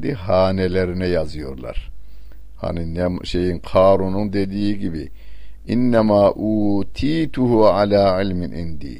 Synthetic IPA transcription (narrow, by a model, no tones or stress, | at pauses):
d̪iɦaːneleɾinɛjazɯjo̞̰ɾlˠa̰ɾ | ha̰ninɛʃejinqʰɑːɾunund̪e̞d̪iːiɟibi | ʔinːæmaːʔuːt̪ʰiːt̪ʰuhuʕalaːʕilminʔḭnd̪ḭː